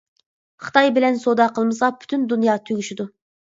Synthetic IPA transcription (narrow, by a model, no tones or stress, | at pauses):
χə̥t̪ʰɑjbɪlɛnsod̪ɑqʰəlˠmɨsɑpʰy̥t̪ʰynd̪unjɑːt̪ʰøɡʲyʃid̪u